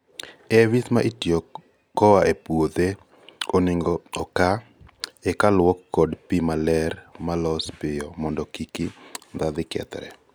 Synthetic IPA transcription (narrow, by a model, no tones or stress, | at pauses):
ɛwismaʔitjo | kɔwaʔepwod̪e | onɪŋɡɔɔka | ɛkalwɔkːɔdpimalɛɾmalɔspɪjɔmɔndɔkikid̪ad̪ɪkɛ̰t̪ɾɛ̰